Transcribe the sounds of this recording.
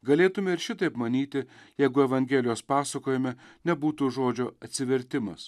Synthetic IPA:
ɡɐlʲeːt̪ʊmʲɛɪɾʃʲɪt̪ɐɪpmɐnʲiːt̪ʲɪjɛɪɡʊɛʋɐŋʲɡʲeːlʲɪjoːspɑːsɐkoːjɪmʲɛnʲɛbuːt̪uːʒoːd͡ʒʲoːɐt̪ʲsʲɪʋʲɛɾʲt̪ʲɪmɐ̰s

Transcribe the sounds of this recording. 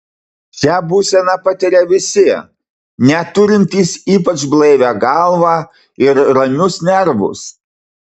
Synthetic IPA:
ʃʲæbuːsʲɛnɑpɑt̪ʲɪɾʲɛʋʲɪsʲiɛ | nʲɛt̪ʊɾʲɪnʲt̪ʲiːsiːpɐt͡ʃblˠɛɪʋʲæːɡɑlˠʋɑː | ɪɾɾɐnʲʊsnʲɛɾbʊ̰s

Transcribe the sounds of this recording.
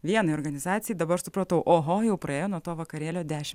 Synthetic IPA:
ʋʲiɛnɐɪoːɾɡɐnʲɪzɑːt̪ʲɪjɛɪd̪ɐbɐɾɐʃsʊpɾɐt̪ɐʊʔoːɦoːjɛʊpɾɐeːjoːnuɔt̪oːʋɐkɐɾʲeːlʲoːd̪ʲæːʃʲɪm

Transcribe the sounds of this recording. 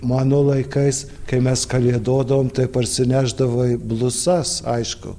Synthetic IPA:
mɑːnoːlˠɐɪkɐɪs | kɐɪmʲɛskɐlʲiɛd̪oːd̪ɐʋoːmt̪ɐɪpɐɾʲsʲɪnʲæːʒd̪ɐʋoːɪblˠʊsɐsɐɪʃkʊ̰

